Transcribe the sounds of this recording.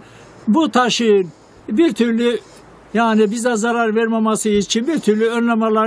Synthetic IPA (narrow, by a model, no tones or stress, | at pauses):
but̪ʰaʃɯɯn | biɾt̪ʰyɾlʲy | jaːnibizɛzaɾaɾvɛɾmamasɯit͡ʃʰinbiɾt̪ʰyɾlʲyønlʲamalˠa